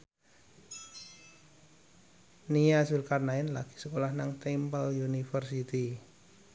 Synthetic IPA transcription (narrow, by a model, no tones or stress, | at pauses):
nijasulkarnaɪnlaɡ̥i̥səkolahnaŋt̪ɛmpəljunifərsit̪i